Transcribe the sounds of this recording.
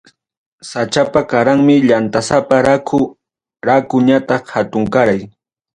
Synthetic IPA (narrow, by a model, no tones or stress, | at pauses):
sat͡ʃapakaɾaŋmɪʎant̪asapaɾakʰʊ | ɾakʊɲat̪ɑχhat̪ʊŋkaɾaj